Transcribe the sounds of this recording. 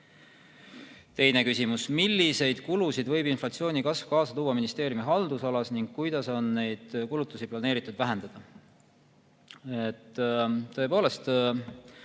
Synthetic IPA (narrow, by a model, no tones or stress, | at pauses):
t̪e̞jne̞kysʲimusmilːise̞jd̪̥kulusid̪vɤjbinflɑt̪sio̞ːnʲikɑsv̥kɑːsɑt̪uːwːɑminist̪e̞ːɾjumiɦɑld̪usɑlɑsniŋɡ̥̚kujd̪̥ɑso̞nːe̞jd̪̥kulut̪ːˑusiplɑneːɾit̪ːˑud̪væɦe̞nd̪̥ɑd̪̥ɑ | et̪ːt̪ːɤ̞e̞po̞ːle̞st̪